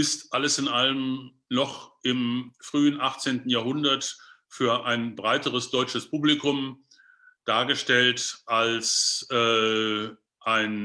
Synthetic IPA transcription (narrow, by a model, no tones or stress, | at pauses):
ʔɪstʔaləsɪnʔaləm | nɔχʔɪmfʁ̥yːənʔaχt͡seːntn̩jaːɐɦʊndɐtfyːɐʔaɪnbʁaɪtəʁəsd̥ɔʏt͡ʃəspʰuːblikʊm | d̥aːɐɡəʃtɛltʔalsʔɛː | ʔaɪn